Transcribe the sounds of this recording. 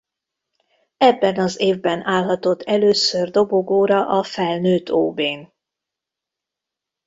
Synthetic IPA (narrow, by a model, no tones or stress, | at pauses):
ɛbːɛnɒzeːvbɛnaːlɦɒt̪o̞t̪ʰːɛløːsørd̪o̞boɡoːɾɒʔɒfɛlnøːt̪ʰo̰ːbeːn